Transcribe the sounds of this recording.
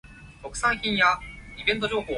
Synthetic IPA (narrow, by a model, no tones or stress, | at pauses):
t̪okɯ̟̥saɰçʲĩɰ̃jaibẽ̞nt̪̬od͡ʑo̞ːɦoː